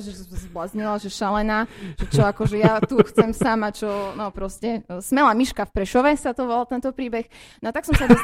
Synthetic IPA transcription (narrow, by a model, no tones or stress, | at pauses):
ʒɛazbɔlazɲɛlaʒɛʃalɛnaːʒ̥ɛt͡ʃɔakɔʒɛjat̪uxt͡sɛmsamat͡ʃɔnɔpɾɔscɛsmɛlaːmiʃkafpɾɛʃɔʋɛsat̪ɔʋɔlalt̪ɛnt̪ɔpɾiːbɛxnɔat̪aksɔmsad̪ɔ